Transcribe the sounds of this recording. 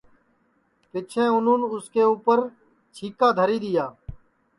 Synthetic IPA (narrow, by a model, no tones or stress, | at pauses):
pɪt͡ʃʰẽːʊnũːnʊskeːuːpəɾ | t͡ʃʰiːkaːd̪ʱəɾiːɗ̪ɪjaː